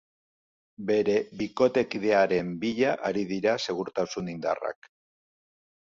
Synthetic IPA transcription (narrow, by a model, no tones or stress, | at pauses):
be̞ɾe̞βiko̞t̪e̞kiðe̞aɾe̞mbiʎaʔaɾiðiɾase̞ɣ̞uɾt̪asunind̪a̰ra̰k